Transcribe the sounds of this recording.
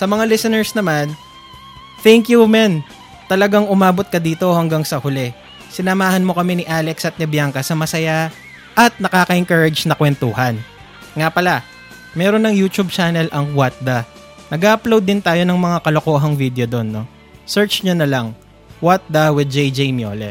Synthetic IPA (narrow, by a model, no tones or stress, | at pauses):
sɐmɐŋalɪsɛnɛɹsnɐman | t̪ɛŋkjumɛn | t̪ɐlɐɡaŋʊmaːbo̞t̪̚kɐd̪iːt̪o̞hɐŋɡaŋsɐhʊlɛ | sɪnɐmaːhɐnmo̞kɐmɛnɪʔaːlɛksɐt̪̚nɛbjaŋkɐsɐmɐsɐja | ʔɐt̪̚nɐkaːkɐʔɪŋkɐɹɐd͡ʒnɐkwɛnt̪uːɦɐn | ŋapɐla | mɛːɾonːɐŋjuːt͡ʃ̪ub̚t͡ʃaːnɛlʔɐŋwat̪̚d̪ɐ | nɐɡaʔɐplowd̪ːɪnt̪aːjo̞nɐŋmɐŋakɐlokoːɦɐŋvid̪ɛod̪o̞nːo̞ | sɛɹt͡ʃɲʊnɐlɐŋ | wat̪̚d̪ɐwɪd̪̚d͡ʒɛjd͡ʒɛjmjo̰ːlɛ̰